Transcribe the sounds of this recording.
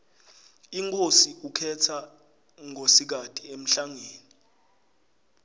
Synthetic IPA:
iŋkʰʼosiukʰɛtʰa | ŋosik̬atʼiem̩ɬaŋeːni

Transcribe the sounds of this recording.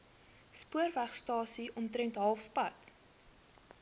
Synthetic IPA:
spuərvæχstɑːsiʔɔmtɾɛntɦɐlˠfpɐt

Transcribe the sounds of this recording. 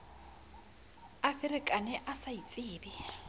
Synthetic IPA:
afɪɾɪkʼanɛʔasait͡sʼɪːbɪ

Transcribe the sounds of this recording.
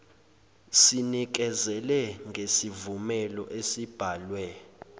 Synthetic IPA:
sinik̬ɛzɛlɛŋɡʱesivumɛlɔ̰ʔesib̥ʱaːlwɛ

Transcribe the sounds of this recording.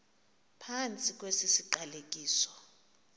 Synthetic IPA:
pʰant͡sʼikʼwesisiǃalek̬ʼiːsɔ̥

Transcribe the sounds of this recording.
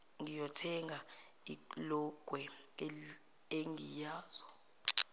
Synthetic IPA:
ŋijɔtʰɛŋʱa | ilɔɡ̥ʱwɛ | eŋijaːz̥ɔ

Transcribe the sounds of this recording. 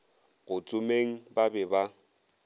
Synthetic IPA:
ɣʊt͡sʼʊmeŋ̩babɛba

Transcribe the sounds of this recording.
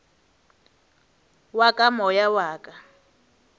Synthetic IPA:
wakʼamɔjawaːkʼa

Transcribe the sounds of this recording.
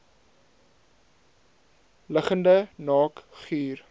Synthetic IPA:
ləχəndənɑːkχiːr

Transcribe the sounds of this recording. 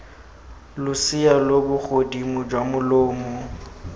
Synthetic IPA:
lʊsɪalobʊk͡xʰodimʊd͡ʒwamʊloːmʊ

